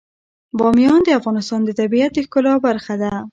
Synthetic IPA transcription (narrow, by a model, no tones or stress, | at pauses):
bɔmjɔnd̪əafɣɑnɪst̪ɑnd̪ət̪abijat̪̚d̪əkʊlɑbaɾxad̪a